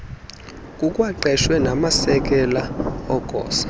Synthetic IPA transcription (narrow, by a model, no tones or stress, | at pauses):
kʼukʼwaǃɛʃwɛnamasɛk̬ʼɛlaɔɡ̥ʱɔ̰ːsḁ